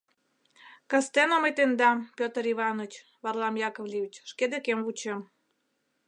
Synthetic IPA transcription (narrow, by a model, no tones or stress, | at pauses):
kəst̪enomet̪end̪ɑmpʲot̪əɾiβɑnot͡ɕ | βɑrlˠɑmjɑkovlʲiit͡ɕʃked̪ekemβut͡ɕem